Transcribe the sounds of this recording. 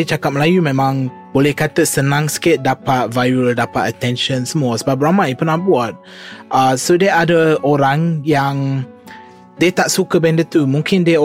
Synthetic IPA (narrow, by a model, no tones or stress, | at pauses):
t͡ʃakat̚p̚məlajumẽmãŋ | bolɛhkat̪əsənãŋsə̥kɪt̪̚dapat̪̚vajuəldapa̰t̪ət̪ɛ̃nʃə̃nsəmɔsəbabɾamãʔipənahbuat̪̚ | ʔasodɛadəoɾaŋjaŋ | det̪aʔsukəbɛ̃ndət̪umũŋkɪnde